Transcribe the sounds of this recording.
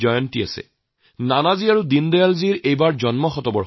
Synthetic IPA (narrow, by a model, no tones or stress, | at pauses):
ɔjɔntia̰sɛ̰ | nanaziaɹudindɔjalziɹejbaɹzɔnmɔxɔtɔbɔ